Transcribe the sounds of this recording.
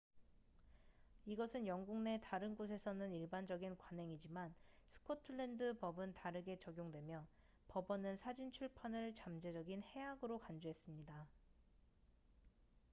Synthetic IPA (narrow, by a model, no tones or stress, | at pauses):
iɡʌsʰɯnjʌŋɡuŋne̞taɾɯnɡos̬ʰe̞sʰʌnɯniɭband͡ʑʌɡinkwanɦe̞ŋid͡ʑimansʰɯ̥kʰotʰɯɭːendɯpʌbɯntaɾɯɡe̞t͡ɕʌɡjoŋdwe̞mjʌ | pʌbʌnɯnsʰad͡ʑint͡ɕʰuɭpʰanɯɭt͡ɕamd͡ʑe̞d͡ʑʌɡinhe̞aɡɯɾokand͡ʑoɦe̞s͈ɯmɲida